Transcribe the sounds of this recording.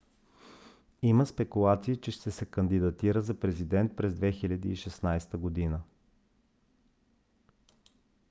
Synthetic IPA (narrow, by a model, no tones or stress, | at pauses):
iməspɛkulˠat̪siːt͡ʃɛʃt̪ɛsɛkənd̪id̪ɐt̪iɾəzɐpɾɛzid̪ɛnt̪̚pɾɛzd̪vɛxilʲɐd̪iːʃɛsnajst̪əɡod̪inə